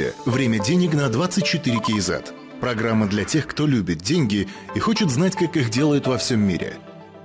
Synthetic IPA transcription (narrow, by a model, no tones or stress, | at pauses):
ɪə̰vɾʲemʲədʲenʲɪknɐd̪vat̪sɨt̚ʲt͡ɕɪt̪ɨɾʲɪkʲejza̰t̪ | pɾɐɡɾamːəd̪lʲɐtʲe̞xkt̪o̞lʲubʲɪt̪̚dʲenʲɡʲɪ | ixo̞t͡ɕɪt̪znatʲkakixdʲe̞lˠəjʊt̪vɐfsʲomʲːḭɾʲɪ̰